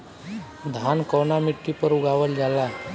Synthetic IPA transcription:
d̪ʱankəwɳamiʈːipəɾuɡaʋəld͡zala

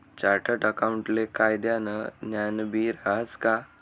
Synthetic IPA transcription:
t͡ɕaɾʈʰəʈəkawuɳʈlekajd̪janənjanbiɾaɦəska

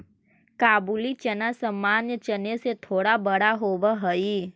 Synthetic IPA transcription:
kaːbulit͡ʃənasəmːaːnjət͡ʃəneset̪ʰoːɽabəɽaɦoːʋəɦəi

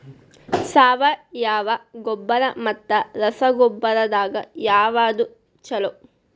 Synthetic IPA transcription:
saːʋɐjaːʋɐɡɔbːɐɾɐmɐt̪ːɐɾɐsɐɡɔbːɐɾɐd̪aːɡɐ̰jaːʋaːd̪u | t͡ʃɐlo

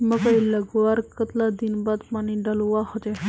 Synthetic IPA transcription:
məkəiləɡʋaɾkət̪lad̪inbad̪paniɖaluʋaɦot̪e

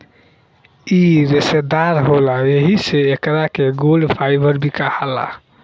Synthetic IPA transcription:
iɾesed̪aɾɦolaeɦiseːkɾakeɡolɖpʰajbəɾbʱikahala̰

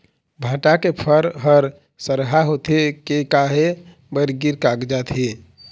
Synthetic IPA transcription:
bʱãʈakepʰəɾɦəɾ | səɾɦaɦot̪ʰekekaɦe | bəɾɡiɾkaɡd͡ʒat̪ʰi

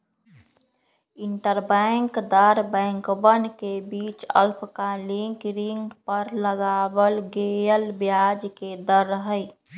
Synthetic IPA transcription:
ɪɳʈəɾbɛ̃ŋkd̪əɾbɛ̃ːŋkbənkebiːt͡ʃə̰lpʰkaliŋkɾiŋɡpəɾləɡaːbəlɡejəlbjaːd͡ʒked̪əɾːəɦəi

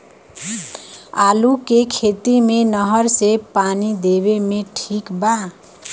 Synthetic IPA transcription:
alukekʰet̪imenəɦəɾsepanid̪eβemeʈʰikba

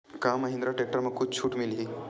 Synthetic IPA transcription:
kaməɦĩnd̪ɾaʈek̚ʈəɾməɡ̚kʰːut͡ɕʰuːʈmilɦi

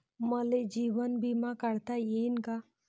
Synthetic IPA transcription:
məled͡ʒiːʋənbimãkəɽt̪ajenka

